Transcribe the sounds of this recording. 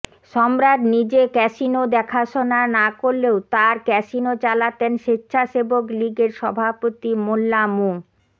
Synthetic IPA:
ʃɔmɾad̪nid͡ʑekɛʃinod̪ɛkʰaʃonanakoɾlːeot̪aɾkɛʃinot͡ɕalat̪enʃitːɕʰaʃebokliɡeɾʃɔbʱapot̪imolːamo

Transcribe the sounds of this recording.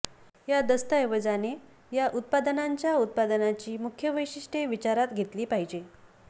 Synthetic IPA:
jad̪əst̪əjeʋəd͡zane | jaʔut̪̚pad̪ənaɲt͡ɕjaut̪̚pad̪ənat͡ɕiːmukʰjəʋəjɕiʂʈeʋit͡ɕaɾat̪ɡʱet̪liːpaɦid͡ʑe

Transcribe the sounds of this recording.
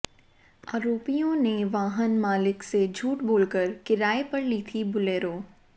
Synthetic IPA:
a̰ːɾoːpijõneʋaːɦənmaːlɪksed͡ʒʱuːʈboːlkəɾkɪɾaːepɐɽlit̪ʰibʊleːɾoː

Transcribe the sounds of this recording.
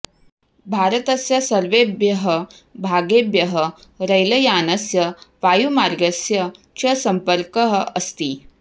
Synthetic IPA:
bʱaːɾət̪ɐsjɐsɐɾʋebjɐɦə | bʱaːɡebjɐɦəɾɐjlɐjaːnɐsjɐʋajumaɾɡəsjɐ | t͡ʃɐsɐmpəɾkəɦəɐst̪i

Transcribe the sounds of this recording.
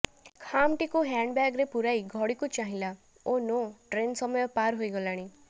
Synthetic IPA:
kʰamʈikuɦaɳɖbaɡɾepuɾajɡʱɔɽikut͡ʃaɦĩla | onoʈɾensɔmɔjɔpaɾɦojɡɔlaɽ̃i

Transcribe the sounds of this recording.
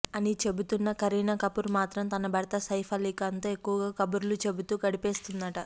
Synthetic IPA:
ɐnit͡ʃe̞but̪unːɐkɐɾiːnɐkɐpuɾmaːt̪ɾɐmt̪ɐnɐbʱɐɽɐt̪ɐsɐjpʰɐlikɐnt̪oːe̞kːuʋɐɡaːkɐbuɾlut͡ʃe̞but̪uːɡɐɽipeːst̪und̪ɐʈɐ

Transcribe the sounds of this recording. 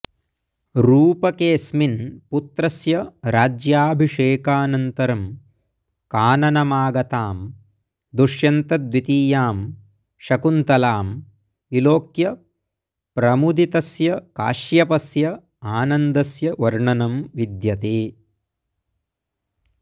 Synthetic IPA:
ɾuːpɐkeːsminput̪ɾɐsjɐɾaːd͡ʒjaːbʱiʂeːkaːnɐnt̪ɐɾɐm | kaːnɐnɐmaːɡɐt̪aːm | d̪uʂjɐnt̪ɐd̪ʋit̪iːjaːm | ʃɐkunt̪ɐlaːm | ʋiloːkjɐ | pɾɐmud̪it̪ɐsjɐka̰ːʃjɐpɐsjɐ | aːnɐnd̪ɐsjɐʋɐɾɳɐnɐmʋid̪jɐt̪eː

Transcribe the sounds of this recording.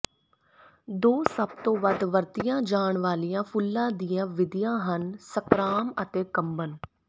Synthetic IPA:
d̪oːsəb̚t̪õːʋəd̪ʋəɾt̪ijãːd͡ʒaːɳʋaːlijãːpʰʊlːãːd̪ijãːʋɪd̪ɪjãːɦənsəkɾaːmət̪eːkəmbən

